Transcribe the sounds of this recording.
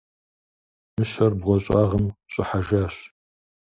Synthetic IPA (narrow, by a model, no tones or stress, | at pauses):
mɨɕɐrbʁʷɔɕʼaːʁəmɕʼɪħaʒaːɕ